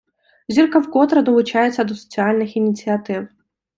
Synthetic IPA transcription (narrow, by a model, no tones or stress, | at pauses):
zʲirkɐwkɔt̪ɾɐd̪ɔlˠʊt͡ʃɑjet͡sʲːɐd̪ɔsɔ̥t͡sʲiɑlʲnɪxinʲit͡sʲiɐt̪ɪw